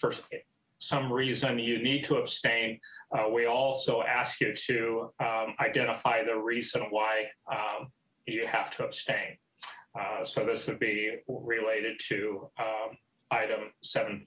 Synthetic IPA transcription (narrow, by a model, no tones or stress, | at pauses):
fɜ˞s | sʌ̃mɹizɨ̃njɨnid̚tʰəəb̥stẽɪ̃nwiɔlˠsoʊʔæskjɨɾɨ | aɪdɛ̃ɾ̃əfaɪðɨɹizə̃nwaɪ | jɨhæftʰəəb̥stẽɪ̃n | soʊðɪswɨd̚biɹɪleɪɾɨd̚tʰɨ | aɪɾɨ̃msɛṽn̩